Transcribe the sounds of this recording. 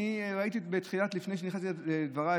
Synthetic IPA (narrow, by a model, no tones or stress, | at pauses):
iʁait̪ibet̪χilat̪lifne̞jʃ̬eniχasid̪vaʁa